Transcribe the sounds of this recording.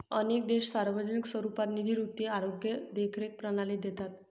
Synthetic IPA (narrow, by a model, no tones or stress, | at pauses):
ənek̚d̪eɕsaɾʋəd͡ʑənikswəɾupat̪nid̪ʱiɾut̪iaɾoɡjəd̪ekʰɾek̚pɾənaliːd̪et̪at̪